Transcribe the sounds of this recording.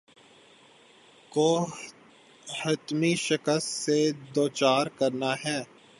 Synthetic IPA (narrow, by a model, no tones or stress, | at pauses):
koː | hɐt̪miʃɪkəst̪sed̪oːt͡ʃaːɾkɐɾnaɦɛː